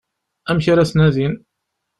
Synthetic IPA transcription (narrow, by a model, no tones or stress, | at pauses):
æmçiɾæsnæðin